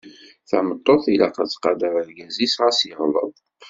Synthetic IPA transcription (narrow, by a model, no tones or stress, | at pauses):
θa̰mət̪ˤːoθilaqət͡sqɑd̪əɾəɾɡæzisʁasjəʁlə̰ðˤ